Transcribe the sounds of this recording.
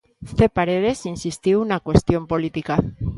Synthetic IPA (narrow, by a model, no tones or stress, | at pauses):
θe̞paɾeðe̞sinsist̪iuunakwe̞st̪jo̞mpolit̪ika